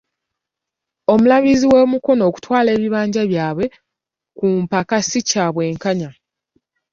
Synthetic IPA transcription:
o̞mulaβiziwe̞ːmuko̞no̞ːku̥twaːle̞ːβiβaːɲɟaβjaːβwe̞ | kuːmpakasicaːβwe̞ːŋkaɲa

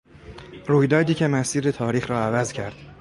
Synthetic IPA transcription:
ruːjd̪ɒːd̪iːcʰe̞mæsiːɾet̪ʰɒːɾiːxɾɒːævæzcʰæɾd̪̥

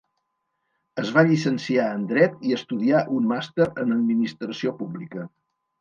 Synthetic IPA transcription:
əzβaʎisənsiaənd̪ɾɛt̪iəst̪uðiaʔunmast̪eɾənəd̪̚minist̪ɾəsiopublikə

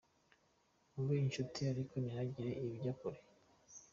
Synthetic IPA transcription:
uβiinʃutʰiaɾikoniɾaɟiɾe̞ʔiβɟakuɾe

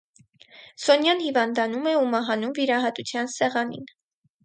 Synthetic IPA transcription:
sɔnjɑnhivɑnd̪ɑnumɛumɑɦɑnumviɾɑɦɑt̪ut͡sʰjɑnsɛʁɑnḭn

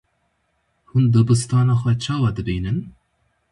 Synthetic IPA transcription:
hund̪ɨbɨst̪ɑːnɑːxʷɛt͡ʃʰɑːwɑd̪ɨbiːnɨn

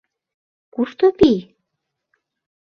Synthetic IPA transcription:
kuʃt̪opij

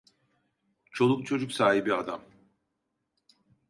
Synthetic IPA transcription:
t͡ʃʰo̞lˠuk̚t͡ʃʰo̞d͡ʒuksaːɦibiad̪am

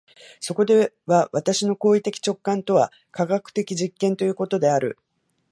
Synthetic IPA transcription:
so̞ko̞d̪e̞ | βaβat̪aɕino̞ko̞ːit̪e̞kʲi̥t͡ɕo̞kːãnt̪o̞βa | kaɡakɯ̟̥t̪e̞kʲiʑikːẽnt̪o̞jɯ̟ːko̞t̪o̞d̪e̞aɾɯ̟̰

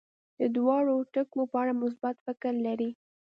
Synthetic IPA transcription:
d̪̥əd̪wɑɽoʈəkmopəaɽamʊs̬bat̪fɪkɾlaɾi

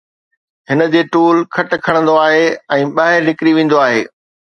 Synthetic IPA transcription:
ɦɪnə̆d͡ʑeːʈuːlkʰɐʈ̆kʰɐɽ̃ə̃nd̪oaːɦeːɛ̃ːɓaːɦɪɾnɪkɪɾiʋẽːn̆d̪oaːɦeː

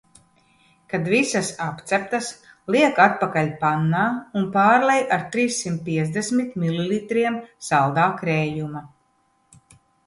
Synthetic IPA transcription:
kad̪visasapt̪sɛp̚t̪as | lˠiɛkat̪̚pakalʲpanːaːunpaːɾlɛjaɾt̪ɾiːsːimt̪̚piɛzd̪esmit̪mililit̪ɾiɛmsalˠd̪aːkɾɛːjuma

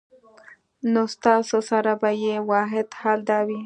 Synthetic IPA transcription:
nost̪ɑsosaɾabajewɑɦɪd̪hɑld̪awi

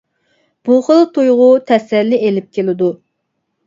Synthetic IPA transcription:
b̥uχəlˠt̪ʰujʁʊt̪ʰɛsɛlːɪelɪp̚kʲelɪd̪u

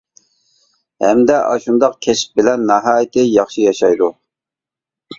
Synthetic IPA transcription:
hɛmd̪ɛʔɑʃund̪ɑqkʲʰɛʃp̚bɪlɛnːɑɦɑːjɪt̪ɪjɑχʃijɑʃɑjd̪u

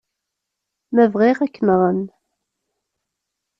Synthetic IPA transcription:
mævʁiʁækːənðˤən

